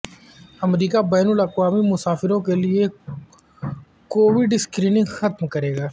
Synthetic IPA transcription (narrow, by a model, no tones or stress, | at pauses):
ɐmɾiːkabɛːnʊlɐqwaːmimʊsaːfɪɾõkelie | koːʋɪɖɪskɾiːnɪ̃ŋɡxɐt̪mkɐɾeːɡaː